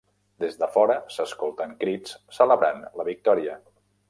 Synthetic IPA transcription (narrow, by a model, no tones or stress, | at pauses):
d̪ezðəfɔɾəsəskolˠt̪əŋkɾit͡ssələβɾanləβik̚t̪ɔɾiə